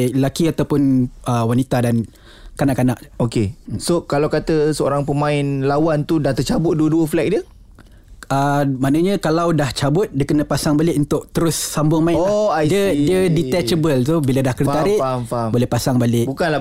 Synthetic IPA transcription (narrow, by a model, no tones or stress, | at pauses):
lakiat̪awpʊnəwanit̪adan | kanaʔkːanaʔokesokalawkat̪əsəo̰ɾaŋpəmãɪnlawant̪udaht̪ərt͡ʃabʊt̪̚duəduəflɛk̚diə | əmanə̃ɲə̃kalawdaht͡ʃabʊt̪̚diəkənə̃pasaŋbalɪʔunt̪ʊʔ̚t̪əɾʊsːambʊŋmaɪ̃ajdiədiədit̪ɛt͡ʃəbəlt̪obiladahkərit̪aɾɪʔfabolɛhpasaŋbalɪʔbukanla